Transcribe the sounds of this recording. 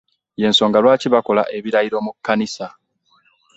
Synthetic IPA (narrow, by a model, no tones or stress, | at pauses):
je̞ːnso̞ːŋɡalwaːciβako̞la̰ʔe̞βiɾaiɾo̞mukːanisa